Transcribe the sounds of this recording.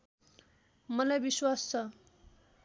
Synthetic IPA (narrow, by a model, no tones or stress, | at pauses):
mʌlajbiswast͡sʰʌ